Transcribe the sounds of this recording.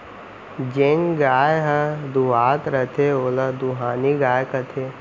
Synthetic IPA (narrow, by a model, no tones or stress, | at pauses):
d͡ʒenɡaːjɦəd̪uʋaːt̪ɾɐt̪ʰeoːlɐd̪uɦaːniɡaːjkɐt̪ʰeː